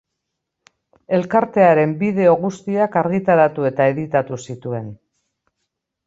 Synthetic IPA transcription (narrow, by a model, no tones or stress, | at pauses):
e̞lkaɾt̪e̞aɾe̞mbið̞e̞o̞ɣust̪iakaɾɣit̪aɾat̪ue̞t̪ae̞ðit̪at̪usit̪ue̞n